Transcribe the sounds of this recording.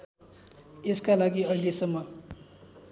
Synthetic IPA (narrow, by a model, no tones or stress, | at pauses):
eskalaɡiʌɦilesʌmːʌ